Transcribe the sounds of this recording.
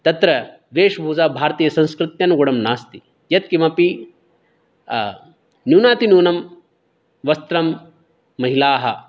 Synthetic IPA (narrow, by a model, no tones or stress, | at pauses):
t̪ɐt̪ɾɐ | ʋeːʂbʱuːd͡ʒaːbʱaːɾt̪iːjɐsɐ̃nskɾɪt̪jɐnɡoɽɐmnaːst̪i | jɐt̪̚kimɐpi | njuːnaːt̪injuːnɐm | ʋɐst̪ɾɐmː | ɐɦilaːɦɐ̆